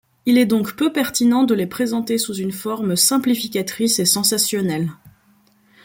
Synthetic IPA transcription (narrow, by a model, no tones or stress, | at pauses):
ilɛd̪ɔ̃kpøpɛʁt̪inɑ̃d̪əlepχezɑ̃t̪esuzynfɔʁmsɛ̃plifikʲat̪χisesɑ̃sasjɔnɛl